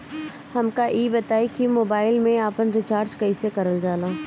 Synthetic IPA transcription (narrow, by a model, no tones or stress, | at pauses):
hɐmkaʔiːbɐt̪aːikimoːbaːɪlmẽaːpənɾɪt͡ʃaːɾd͡ʒkɐisekɐɾəld͡ʒaːlãː